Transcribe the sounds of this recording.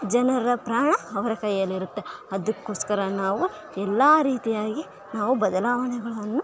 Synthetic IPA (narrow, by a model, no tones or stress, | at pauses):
d͡ʒɐnɐɾɐpɾaːɳɐɐʋɐɾɐkɐjjɐlːiɾut̪ːeɐd̪ukːo̞ːskɐɾɐnaːʋu | ɛlːaːɾiːt̪ijaːɡi | naːʋubɐd̪ɐlaːʋɐɳɛɡɐɭɐnːu